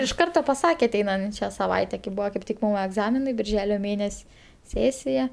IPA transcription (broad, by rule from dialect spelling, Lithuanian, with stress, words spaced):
ɪʃ ˈkɐrtoː pɐˈsɑːkʲɛ ɐˈtʲɛɪnɐnʲt͡ʃʲɛ sɐˈʋɐɪtʲɛ kɐɪ ˈbʊʋoː kɐɪp ˈtʲɪk ˈmʊm ɛɡˈzɑːmʲɪnɐɪ bʲɪrʲˈʒʲæːlʲoː ˈmʲeːnʲɛsʲ ˈsʲeːsʲɪjɛ